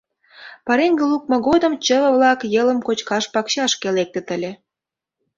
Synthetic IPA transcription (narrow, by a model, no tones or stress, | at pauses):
pɑɾeŋɡəluk̚mɤ̆ɣod̪ə̆mt͡ɕəβə̆βlɑkjələ̆mkot͡ɕkɑʃpɑkɕɑʃkelek̚t̪ĕt̪ə̆lʲĕ